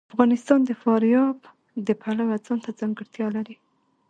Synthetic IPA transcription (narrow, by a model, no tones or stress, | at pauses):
afɣɑnɪst̪ɑnd̪əfɑɾjɑb | d̪əpʰalawad͡zɑnt̪ad͡zaŋɡɪɽt̪jɑlaɾi